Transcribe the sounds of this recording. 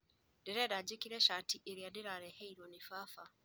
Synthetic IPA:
dɛɾɛɾad͡ʒekiɾɛʃatiʔeɾiadeɾaɾɛhɛiɾɔnifafa

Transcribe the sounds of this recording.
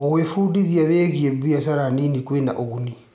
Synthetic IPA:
ɔɣwefudiðiaβeːɣiebijas̬aɾaninikwena̰ʔoɣuni

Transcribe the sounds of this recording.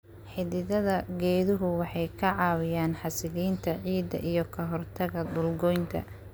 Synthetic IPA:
ħɪðɪðɐðɐɡɛːðʊɦʊwɑħɑjkʰɐʕɑːwɪjaːnħɑsɪðiːnt̪ʰɐʕiːd̪ɐ̰ʔijɞkʰɐɦɔrt̪ʰɐɣɐd̪ʊlɡɔjnt̪ʰɐ̰

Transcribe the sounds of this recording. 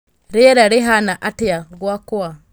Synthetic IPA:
ɾeɾaɾeɦanaʔatijaɡwakuwa

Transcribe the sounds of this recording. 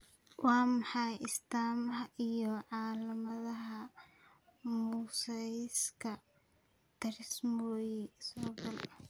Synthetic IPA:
wʔɑːmɑħɑjʔɪst̪aːmɐɦɐʔijɔʕɑːlɐmɐðɐɦɐ | muːsɐjskʰɐ | t̪ɐɾɪsmɔːjɛsɔːɡɐlɐ

